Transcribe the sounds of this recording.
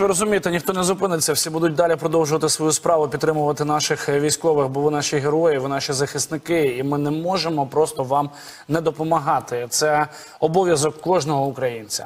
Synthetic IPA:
ʋɪɾɔzʊmʲijet̪enʲixt̪ɔnɛzʊpɪnɪt͡sʲːɐwsʲibud̪ʊt̚ʲd̪ɑlʲipɾɔd̪ɔwʒʊʋɐt̪ɪsʋɔjuspɾɑʋʊpʲt̪t̪ɾɪmʊʋɐt̪ɪn̪ɑʃɪxʋʲijsʲkɔʋɪxbɔʋɪnɑʃʲiɦeɾɔjɪʋɪnɑʃʲizɐxɪst̪nɪkɪimɪnɛmɔʒemɔpɾɔst̪ɔʋɑm | nɛd̪ɔpɔmɐɦɑt̪ɪt̪sɛ | ɔbɔʋʲjɐzɔkːɔʒnɔɦɔʊkɾɐjinʲt͡sʲɐ̰

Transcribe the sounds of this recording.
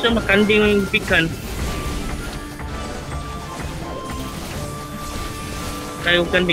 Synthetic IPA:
samakandɪŋpikan | kajukanbi

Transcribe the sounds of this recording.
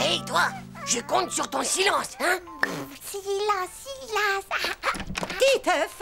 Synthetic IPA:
ɛjt̪waʒəkɔ̃t̪syʁt̪ɔ̃silɑ̃sɛ̃silɑ̃silɑ̃s | k̪it̪əf

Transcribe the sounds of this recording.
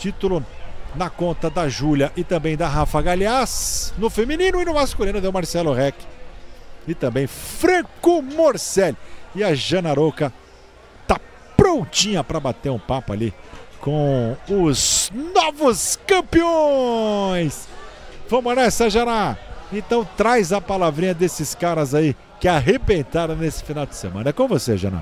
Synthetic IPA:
t͡ʃit̪ʊlʊ | nɐkõnt̪ɐd̪ɐʒuljɐʔɪt̪ɐ̃bẽj̃d̪ɐɦafɐɡaliasnʊfemĩnĩnʊɪnʊmaskulĩnʊd̪ewmaɾsɛlʊɦɛkɪ̥ | ɪt̪ɐ̃mbẽj̃fɾɐ̃kʊmoɾsɛlɪɐʒɐ̃nɐɾokɐ | t̪a | pɾowt͡ʃĩɲɐpɾɐbat̪eɾʊ̃papʊa̰likõw̃ʊz̥nɔvʊskɐ̃pio | j̃svɐ̃mʊnɛsɐʒɐnaẽt̪ɐ̃w̃t̪ɾajzɐpalavɾĩɲɐd̪esɪskaɾɐzai | kɪaɦebẽnt̪aɾɐ̃w̃nesɪ̥finawd͡ʒɪsḛmɐ̰̃nɐɛkõvoseʒɐ̰̃nɐ̰

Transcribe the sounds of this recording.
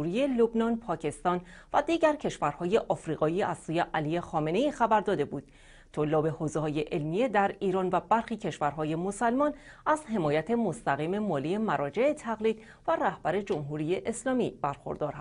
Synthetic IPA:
uɾije̞lobnɒːnpʰɒːcʰe̞st̪ɒːnvæd̪iːɟæɾcʰe̞ʃvæɾhɒːje̞ʔɒːfɾiːɣɒːiːæz̥suːje̞ʔælijexɒːme̞ne̞iːxæbæɾd̪ɒːd̪e̞buːd̪̥̚ | t̪ʰolːɒːbe̞hozeɦɒːje̞ʔelmije̞d̪æɾiːɾɒːnvæbæɾxiːcʰe̞ʃvæɾɦɒːje̞mosælmɒːn | æzɦe̞mɒːjæt̪ʰe̞mo̞st̪æɣiːme̞mɒːlijemæɾɒːd͡ʒe̞et̪ʰæɣliːd̪̥ | væræhb̥æɾe̞d͡ʒo̞mɦuɾiːjeʔeslɒːmib̥æɾxo̞̰ɾd̪ɒːɾhæs

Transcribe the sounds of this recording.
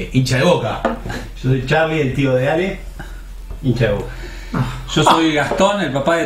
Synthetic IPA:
ʔint͡ʃaðeβoka̰ | ʃosojt͡ʃaβielt̪ioðeale | int͡ʃaeβoka | ʒ̥osojɣaht̪onelpapae

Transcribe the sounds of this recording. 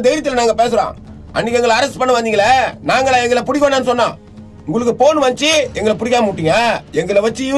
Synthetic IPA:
d̪ɛɪɾɐt̪ːɯlnaːŋɡɐpeːsɯɾõ̰ː | ʔɐ̰nːikːɛŋɡɐɭɐɾɐsʈpɐɳːɐʋɐnd̪ɪŋɡɐɭɐnaːŋɡɐɭɐɛŋɡɐɭɐpʊɽɪk̬ʲːoːnːeːnɯsɔnːãː | ʊŋɡɐɭɯk̬ːɯpoːnːɯʋɐɲt͡ʃːɯɛŋɡɐɭɐpʊɽɪkːaːmɐuʈːɪŋɡɐɛŋɡɐɭɐʋɐt͡ʃːɯ

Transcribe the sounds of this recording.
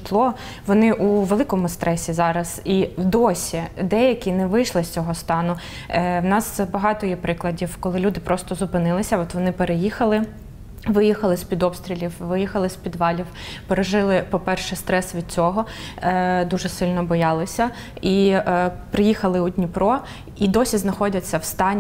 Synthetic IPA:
t̪lˠɔ | ʋɔnɪʔuʋelˠɪkɔmʊst̪ɾɛsʲizɑɾɐz̥iwd̪ɔsʲid̪ɛjɐkʲinɛʋɪjʃlˠɪsʲt͡sʲɔɦɔst̪ɑnʊ | wnɑsbɐɦɑt̪ɔjɛpɾɪklˠɐdʲiwkɔlˠɪlʲud̪ɪpɾɔst̪ɔzʊpɪnɪlˠɪsʲɐɔt̪ʋɔnɪpeɾejixɐlˠɪ | ʋɪjixɐlˠɪsʲpʲid̪ɔpst̪ʲɾʲilʲiwʋɪjixɐlˠɪsʲpʲid̪ʋɑlʲiw | peɾeʒɪlˠɪpɔpɛrʃɛst̪ɾɛsʋʲid̪̥̚t͡sʲɔɦɔ | d̪uʒɛsɪlʲnɔbɔjɑlˠɪsʲɐ | i | pɾɪjixɐlˠɪʊdʲnʲipɾɔ | id̪ɔsʲiznɐxɔdʲɐt͡sʲːɐwst̪ɑnʲ

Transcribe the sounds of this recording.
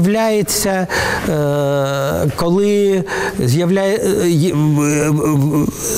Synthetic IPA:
ʋlʲajet͡sʲːɐ | kɔlˠɪ | zʲjɐʋlʲæj

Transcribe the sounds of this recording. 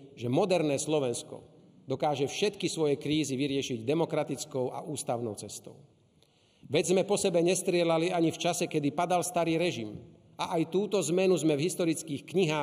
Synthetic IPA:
ʒɛmɔd̪ɛɾnɛːslɔʋɛnskɔ̰ | d̪ɔkaːʒɛfʃɛt̪kisʋɔjɛkɾiːziʋiɾɪɛʃiɟd̪ɛmɔkɾat̪it͡skɔʊʔa̰ʔuːst̪aʊnɔʊt͡sɛst̪ɔ̰ʊ | ʋɛd͡zzmɛpɔsɛbɛɲɛst̪ɾɪɛlaliaɲift͡ʃasɛkɛd̪ipad̪alst̪aɾiːɾɛʒim | aʔajt̪uːt̪ɔzmɛnuzmɛvɦist̪ɔɾit͡skiːxkɲiɦaː

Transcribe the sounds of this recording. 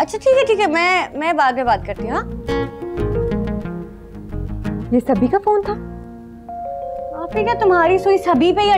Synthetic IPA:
ɐtːʃʰaʈʰiːkɛʈʰiːkɛmɛ̃ːmɛ̃baːd̪̚mẽbaːt̪̚kɐɾt̪iɦũɦaː | jeːsɐbʱikafoːnt̪ʰaː | aːpʈʰikɛt̪ʊmɦaːɾisoisɐbʱipeiɐ

